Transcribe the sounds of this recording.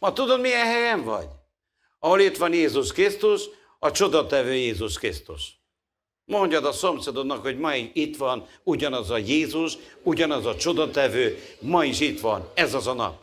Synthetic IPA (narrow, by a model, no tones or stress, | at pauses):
mɒt̪ud̪ommijɛnhɛjɛɱvɒ̰ɟ | ɒɦo̞lit̪ʋɒnjeːzuʃkrist̪uʃ | ɒt͡ʃo̞d̪ɒt̪ɛvøːjeːzuʃkrist̪ṵʃ | mo̞ɲɟɒd̪ɒso̞msed̪onːɒkho̞ɟmɒiit̪ʋɒn | uɟɒnɒzɒjeːzuʃuɟɒnɒzɒt͡ʃo̞d̪ɒt̪ɛvøːmɒiʃit̪ʋɒnɛzɒzɒnɒ̰p̚